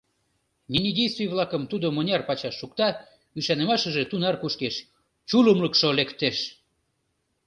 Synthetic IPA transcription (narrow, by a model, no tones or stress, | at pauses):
nʲinʲidʲejst̪vʲijβlɑkəmt̪ud̪omonʲɑrpɑt͡ɕɑʃːukt̪ɑ | yʃɑnə̆mɑʃə̆ʒet̪unɑrkuʃkeʃ | t͡ɕuləmlə̆kʃolekt̪eʃ